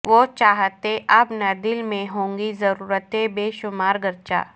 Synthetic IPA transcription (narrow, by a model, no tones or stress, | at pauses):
ʋot͡ʃaːɦət̪eʔɐbnɐd̪ɪlmẽɦõːŋɡizɐɾuːɾət̪ebeːʃʊmaːɾɡəɾt͡ʃa̰ː